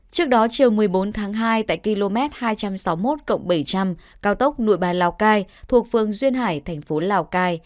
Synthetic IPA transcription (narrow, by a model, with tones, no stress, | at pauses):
t͡ɕɨ˦˥ək̚ɗɔ˨˦t͡ɕi˨˩əwmɨ˨˩əjɓo˨˦nt̪ʰaː˨˦ŋɦaː˧jt̪a̰ː˧˨jki˧lo˧mɛ˦˥t̚haː˧jt͡ɕa˧msa˨˦wmo˦˥t̚kə̰˧˨wŋ͡mɓə˧˩jt͡ɕa˧m | kaː˨˧wt̪ə˦˥wk͡p̚nṵ˧˨jɓaː˨˩nlaː˨˧˩wkaː˧jt̪ʰu˨˩ək̚fɨ˨˩əŋzwi˧ənɦaː˧˩jt̪ʰɛ˨˩ŋ̟fo˨˦laː˧˩wkaː˧j